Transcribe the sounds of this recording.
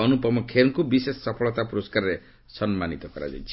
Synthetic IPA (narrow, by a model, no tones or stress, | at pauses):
ɔnupɔmɔkʰeɾɔŋkubisesːɔpʰɔɭɔt̪apuɾɔskaɾɔɾe | sɔnmanit̪ɔkɔɾa̰d͡ʒa̰jt͡ʃʰ